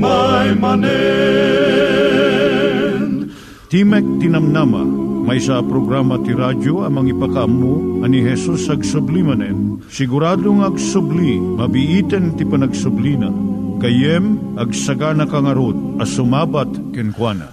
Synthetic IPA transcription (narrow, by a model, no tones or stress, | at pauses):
majmɐnɛ | t̪imɛk̚t̪inɐmnamɐ̰mɐjsapɾoɡɾamɐt̪iɾad͡ʒoɐmɐŋipɐkɐʔɐmːuɐniɦɛsusɐɡsʊblimɐnɛn | sɪɡʊɾaːd̪oŋɐɡsʊblimɐbiʔit̪ɛnt̪ipɐnɐɡsʊblinɐkɐjɛmʔɐɡsɐɡanɐkɐŋɐɾod̪̚ɐsʊmaːbɐt̪kɛnkwanɐ̰